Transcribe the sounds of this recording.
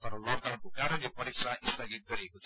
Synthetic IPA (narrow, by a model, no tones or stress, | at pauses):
t̪ʌɾoloɡd̪awnkokaɾʌnipʌɾik̚sʰaʔist̪ʰaɡit̪̚ɡʌɾiekot͡sʰ